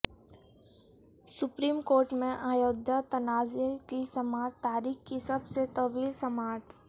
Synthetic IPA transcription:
sʊpɾiːmkoːɾʈmẽʔaːjoːd̪ʱjat̪ɐnaːzekisɐmaːt̪aːɾiːxkisɐbset̪ɐʋiːlsɐmaːt̪

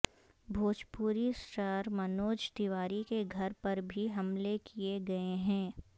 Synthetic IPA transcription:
bʱoːd͡ʒpuːɾisʈəɾmɐnoːd͡ʒt̪ɪʋaːɾikeɡʱɐɾpɐɾbʱiɦɐmlekieɡɐeɦɛ̃ː

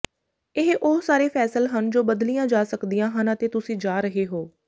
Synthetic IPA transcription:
ɪɦʔʊsaːɾeːpʰɛːsəlɦənd͡ʒoːbəd̪lijãːd͡ʒaːsəkd̪ijãːɦənət̪eːt̪ʊsĩːd͡ʒaːɾəɦeːɦoː

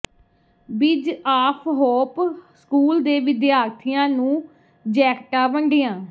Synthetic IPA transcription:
bɪd͡ʒaːpʰɦɔːpskuːld̪eːʋɪd̪jaːɾt̪ʰijãːnũː | d͡ʒɛːkʈaːʋəɳɖɪjãː

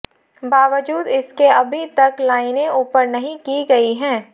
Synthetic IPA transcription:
baːʋəd͡ʒuːd̪ɪskeɐbʱit̪ɐklaːɪnẽuːpəɾnɐɦĩkiɡɐiɦɛ̃ː

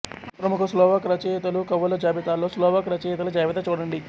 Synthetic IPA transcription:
pɾɐmukʰɐslɔːʋakɾɐt͡ʃet̪ɐlukɐʋɐlɐd͡ʒaːbit̪aːlːoːslɔːʋakɾɐt͡ʃet̪ɐlud͡ʒaːʋit̪ɐt͡ʃuːɽɐɳɖi

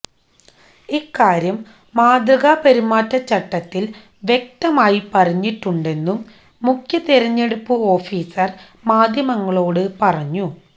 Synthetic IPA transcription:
ikːaːɾjɐmː | aːd̪rɐɣaːpɐɾumːaːtːɐt͡ɕːɐʈːɐt̪ːil | ʋje̞k̚t̪ɐmaːjipɐrɐɲːiʈːuɳɖe̞nːumː | ukʰjɐt̪iɾɐɲːeɽupːɨo̞ːfiːsɐr | maːd̪ʱjɐmɐŋːɐɭo̞ːɽɨpɐrɐɲːu

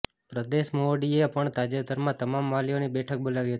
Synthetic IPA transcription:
pɾəd̪eʃmoɖiepəɳt̪ad͡ʒed̪ʱəɾmãt̪əmamʋalijonibɛʈʰək̚bolaʋiɦət̪i̥

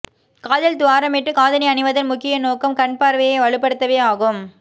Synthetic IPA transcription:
kaːðɐld̪ʊʋaːɾɐmɪʈːɯkaːðɐnɐɪɐnɪʋɐðɪnmʊkːɪjɐnoːkɐmkɐɳpaːɾʋɐjɐʋɐɭɯpːɐɽɯt̪ːɐʋeːaːɣɯm

